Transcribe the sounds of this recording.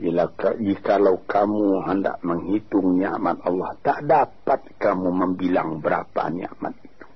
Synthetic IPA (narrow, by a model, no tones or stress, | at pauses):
jəlakad͡ʒikalaukʰamuɦənda̰ʔməŋɦit̪ʊŋna̰ʔmat̪̚ɑlːɑht̪aʔdapat̪̚kamuməmbilaŋbəɾa̰pa̰na̰ʔma̰t̪̚iu̥